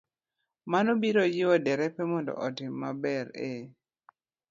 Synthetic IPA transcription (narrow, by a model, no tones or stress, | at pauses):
manobiɾojɪwɔdɛɾɛpɛmɔndɔ̰ʔɔtɪmːabɛɾe